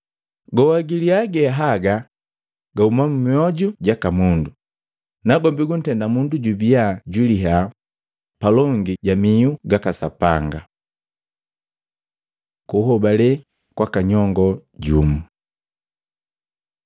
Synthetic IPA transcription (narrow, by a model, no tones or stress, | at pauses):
ɡɔwaɡiliaɡɛɦaɡa | ɡaumamumiɔɟuɟakamundu | naɡɔmbiɡun̩tɛndamunduɟubiaɟwiliɦa | palɔŋɡiɟamiuɡakasapaŋɡa | kuhɔbalɛ | kwakaɲɔŋɡɔɟumu